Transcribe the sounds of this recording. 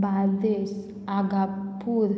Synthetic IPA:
bald̪es | aɡapuɾ

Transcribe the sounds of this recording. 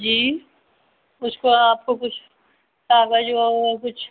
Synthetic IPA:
d͡ʒiː | ʊskoaːp̚kokʊt͡ʃʰ | saːɡad͡ʒokʊt͡ʃʰ

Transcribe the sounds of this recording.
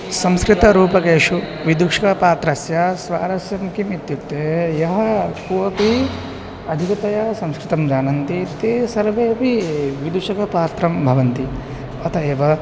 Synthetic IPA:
sɐmskɾit̪ɐɾuːpɐkeːʂu | ʋid̪ukʂɐkɐpaːt̪ɾɐsjɐsʋa̰ːɾɐsjɐmkimit̪jut̪ːejɐɦɐkuɐpi | ɐd̪ʱikɐt̪ɐjɐsɐ̃mskɾɪt̪ɐmd͡ʒaːnɐnt̪it̪eːsɐɾʋeːɐpiʋid̪uʂɐkɐpaːt̪ɾɐmbʱɐʋɐnt̪i | ɐt̪ʰɐeːʋɐ

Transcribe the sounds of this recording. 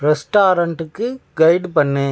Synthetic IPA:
ɾɛsʈaːɾɐɳʈɯkːɯɡɐɪɖpɐɳːeː

